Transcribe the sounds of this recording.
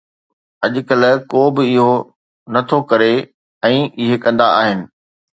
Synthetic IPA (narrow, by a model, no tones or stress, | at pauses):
ɐʄʊkɐlkoːbɪɪɦo | nɐt̪ʰokɐɾe | ɛ̃ːʔɪɦekɐ̃nd̪aa̰ːɦɪnɪ̆